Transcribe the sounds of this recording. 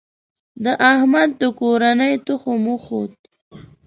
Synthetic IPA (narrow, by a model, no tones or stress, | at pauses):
d̪əʔahmad̪̚ːəkoɾanəjt̪ʊxomuxot̪̚